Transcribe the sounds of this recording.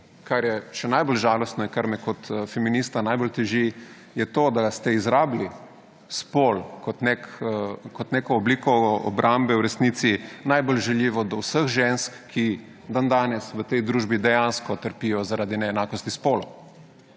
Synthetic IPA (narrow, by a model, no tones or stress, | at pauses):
kaɾjɛʃɛnajbolʒaːlɔst̪nɔiŋkaɾmɛkɔt̪fɛminist̪anajbolt̪ɛʒi | jɛt̪oːd̪ast̪ɛizɾaːbli | spolkɔt̪nekkɔt̪neːkɔːbliːkɔɔ̰bɾʔambɛwɾɛsnit̪sinajbolʒɛljiːʋɔd̪ɔwsəxʒenskːʰi | d̪and̪aːnɛsʋət̪ɛjd̪ɾuːʒbid̪ɛjanskɔt̪əɾpijɔzaɾaːd̪inɛɛnaːkɔst̪ispoːlɔ